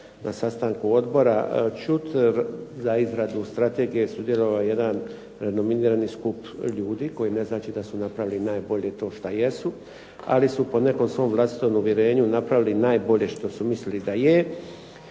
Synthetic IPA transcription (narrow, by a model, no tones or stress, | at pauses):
nʔasast̪aːŋkuo̞d̪bo̞ɾat͡ʃut̪zaizɾad̪ust̪ɾat̪e̞ːɡije̞sud̪je̞lo̞ʋaje̞d̪an | ɾeno̞miniːɾaniskupʎuːd̪iko̞ine̞znaːt͡ʃid̪asunapɾaʋilinaːjbo̞ʎe̞t̪o̞ːʃt̪aje̞su | a̰lisupo̞ne̞ko̞msʋo̞ːmʋlˠast̪i̥t̪o̞muʋjeɾe̞ːɲunapɾaʋilinaːjbo̞ʎe̞ʃt̪o̞sumislilid̪aje